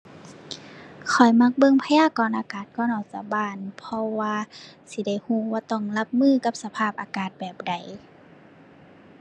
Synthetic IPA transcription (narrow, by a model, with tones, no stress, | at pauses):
kʰɔ˨˩jma˧˥k̚bɤ˧˨ŋpʰa˧jaː˧˥˨kɔː˨˩nʔaː˧kaː˨˩t̪̚kɔː˧˨nʔɔ˨˩wsa˧˩baː˧˩˨npʰɔ˧waː˧si˧˦da˧˥˩jhuː˧˨waː˧t̪ɔ˧˩ŋla˧p̚mɯː˧˨ka˧˥p̚sa˧pʰaː˧˩p̚ʔaː˧kaː˨˩t̪̚bɛː˨˩p̚da˨˩j